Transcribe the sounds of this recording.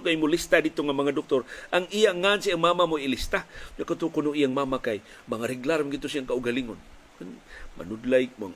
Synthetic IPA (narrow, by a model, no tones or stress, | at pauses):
kajmʊlist̪adit̪oŋamaŋadʊk̚t̪ʊɾʔaŋijaŋansiaŋmamamoilist̪aɲakat̪ukʊnʊʔijaŋmamakaj | maŋaɾiɡlaɾmɡit̪ːʊsiaŋkaʊɡaliŋon | ama̰nʊdlajm